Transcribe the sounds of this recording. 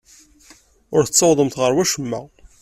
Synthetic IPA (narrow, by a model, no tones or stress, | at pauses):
ʊɾθə̥t͡sːəwðˤəmt̪ʁəɾwæʃəmːæ̰